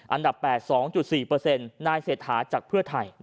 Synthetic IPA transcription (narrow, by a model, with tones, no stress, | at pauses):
ʔa˧nda˨˩pːɛː˨˩t̪̚sɔː˩˦ŋt͡ɕu˨˩t̪̚siː˨˩pɤː˧se˧nːaː˧jseː˨˩t̪̚hʰaː˩˦t͡ɕaː˨˩k̚pʰɯ˥˩ɐt̪ʰa˧˩j